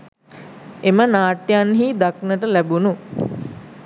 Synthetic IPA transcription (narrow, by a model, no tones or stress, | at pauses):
emənaːʈːjanɦiːd̪aknəʈəlæbunu